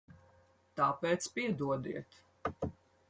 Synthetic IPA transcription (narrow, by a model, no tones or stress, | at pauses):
t̪aːpɛːt̪spiɛd̪uɔd̪ḭɛt̪